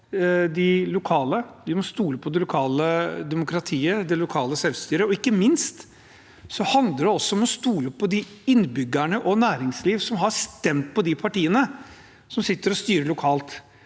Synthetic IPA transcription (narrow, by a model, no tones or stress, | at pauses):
d̪ɪlʊkʰɑːləd̪ɪmɔst̪uːləpʰɔd̪ɛlʊkʰɑːləd̪ɛmʊkʰɾɑt̪ʰiːəd̪ɛlʊkʰɑːləsɛlst̪yːɾəɔɪkːəmɪnst̪ | sɔhɑnd̪əɖɛɔsːɔmɛɔst̪uːləɔpʰːɔd̪ɪɪnːbʏɡːæɳəʔɔnæːɾɪŋsliːʋsɔmɦɑst̪ɛmt̪pʰɔd̪ɪpʰɑʈiːənə | sɔmsɪt̪ːəɾɔst̪yːɾəɭʊkʰɑːlt̪